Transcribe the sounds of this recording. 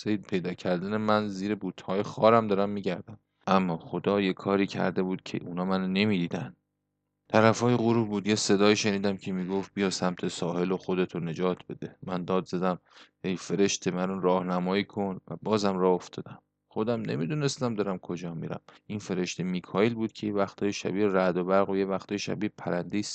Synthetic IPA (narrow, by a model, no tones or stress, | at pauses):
sejd̪pʰe̞jd̪ɒːcʰæɾd̪æne̞mænziːɾebuːt̪ʰhɒːjexɒːɾæmd̪ɒːɾæmːiːɟæɾd̪æm | ʔæmːɒːχod̪ɒːjekʰɒːɾiːcʰæ̰ɾd̪e̞buːd̪̥̚cʰe̞̰ʔunɒːmænone̞miːd̪iːd̪ænd̪ | t̪ʰæɾæfɒːjeɣuɾuːbuːd̪jese̞d̪ɒːiːʃe̞niːd̪æmcʰe̞miːɡoft̪̚bijɒ̥ːsæmt̪ʰe̞sɒːhe̞loxod̪e̞t̪ʰone̞d͡ʒɒːt̪ʰb̥e̞d̪e̞mænd̪ɒːd̪zæd̪æmhejfe̞ɾe̞ʃt̪ʰe̞mænonɾɒːhnæmɒːiːkʰo̞nvæ̰bɒːzæmrɒːoft̪ɒːd̪æm | xod̪æmne̞̰mid̪une̞st̪æmd̪ɒːɾæmkʰod͡ʒɒːmḭɾæ̰mʔinfe̞ɾe̞ʃt̪ʰemiːkʰɒːelbuːd̪̥̚cʰe̞jevæxt̪ʰɒːjeʃæ̰biːɾæd̪obæɾɣojevæxt̪ʰɒːjeʃæ̰biːpʰæɾænd̪es